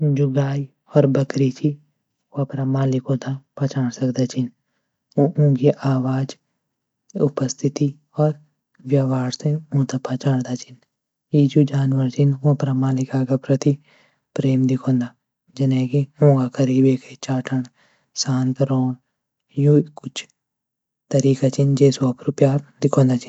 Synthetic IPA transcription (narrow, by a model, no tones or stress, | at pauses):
d͡ʒʊɡaːi | ɔːɾbəkɾit͡ʃʰi | apɾamaːlɪkõːt̪apaːt͡ʃaːɽsɐkd̪at͡ʃʰin | ũːɡiʔaːwaːd͡ʒ | ʊpəst̪ʰɪt̪i | ɔːɾ | ʋjaːʋaːɾseũːt̪apaːt͡ʃaːɽd̪at͡ʃʰɪn | iːd͡ʒud͡ʒaːnʋəɾt͡ʃʰɪnũpɾamaːlɪkaːɡapɾət̪i | pɾeːmd̪ɪkʰõːnd̪aː | d͡ʒɐnɛːkiõːɡakʰəɾiːbeːkʰet͡ʃaːʈʰəɳ | sãːnt̪ɾoːɳ | jũkʊt͡ʃʰ | t̪ɐɾiːkat͡ʃʰind͡ʒeːsoːpʰɾupjaːɾd̪ɪkʰõːnd̪aːt͡ʃʰɪn